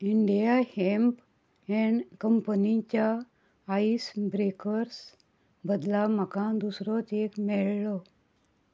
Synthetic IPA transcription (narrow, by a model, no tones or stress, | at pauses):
iɳɖijahemp | ɛɳkəmpənit͡ɕjaː | isbɾekəɾs | bəd̪laməkãd̪usɾɔt̪ekmɛɭlɔ